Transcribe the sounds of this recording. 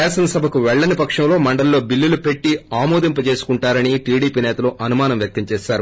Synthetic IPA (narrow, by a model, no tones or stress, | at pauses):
ɛːsɐnɐsɐbʱɐkuʋɛɭːɐnipɐkʂɐmlo̞ːmɐɳɖɐllːo̞ːbilːilupe̞ʈːiaːmoːd̪imp̬ɐt͡ʃe̞ːsu̥kuɳʈaːɾɐniʈiːɽiːpiːnɛːt̪ɐluʔɐnumaːnɐmjɐk̚t̪ɐmt͡ʃeːʃaːɾu